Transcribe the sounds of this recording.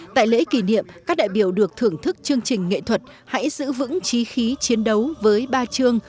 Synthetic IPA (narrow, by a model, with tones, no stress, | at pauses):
t̪a̰ː˧˨jlḛ˧˥ki˧˩nḭ˧˨əmkaː˦˥k̚ɗa̰ː˧˨jɓi˧˩əwɗɨ˨˩ək̚t̪ʰɨ˧˩əŋt̪ʰɨ˦˥k̚t͡ɕɨ˧əŋt͡ɕï˨˩ŋ̟ŋḛ˧˨t̪ʰwə˨˩t̚ | ha̰˧˥jzɨ̰˧˥vɨ̰˧˥ŋt͡ɕi˨˦xi˨˦t͡ɕi˨˦ənɗə˨˦wvəː˨˦jɓaː˧t͡ɕɨ˧əŋ